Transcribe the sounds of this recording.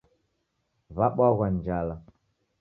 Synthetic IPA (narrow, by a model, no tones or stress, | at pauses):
vaɓaɣʷand͡ʒala